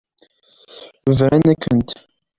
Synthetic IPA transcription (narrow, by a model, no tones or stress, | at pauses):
vɾænækːənt̪